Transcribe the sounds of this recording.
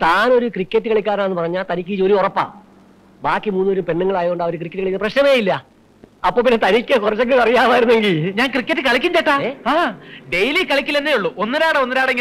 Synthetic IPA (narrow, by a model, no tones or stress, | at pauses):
t̪aːno̞ɾukrikʲːɐtːɨkɐɭikʲːaːɾanːenːɨpɐrɐɲːaːlt̪ɐnikʲːit͡ɕoɾuorɐpːa̰ | baːkːimuːnːo̞ɾumpe̞ɳːuŋːɐɭaːjooɳɖaɐʋɐɾuk̬rikːɐʈːɨkɐɭikːinɐprɐɕnɐmeːjilːɐ | ɐpːoɭp̬inːet̪ɐnikʲːɨkurɐt͡ɕːeŋɡɨɐrijaːʋaːjiɾunːe̞ŋɡilɲaːŋkrikʲːetːɨkɐɭikʲːiɲteʈːaehaːɖe̞jlikɐɭikʲːilenːejuɭːuʔonːɐɾaːɽɐonːɐɾaːɽeŋɡi